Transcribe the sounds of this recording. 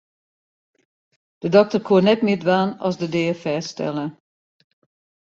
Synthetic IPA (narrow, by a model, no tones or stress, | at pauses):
d̥ədɔk̚tərkʰuənɛtmɪːdʋaːnɔ̰sdədeːəfɛːstɛ̰lˠə